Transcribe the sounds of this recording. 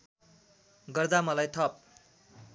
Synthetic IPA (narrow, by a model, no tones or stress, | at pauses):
ɡʌrd̪amʌlajt̪ʰʌp̚